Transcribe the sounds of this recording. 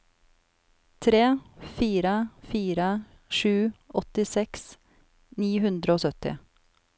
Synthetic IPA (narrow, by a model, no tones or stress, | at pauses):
t̪ʰɾeːfiːɾəfiːɾə | ʃʉːʔɔt̪ɪsɛks | niːhʉnd̪ɾəoːsœt̪ɪ̰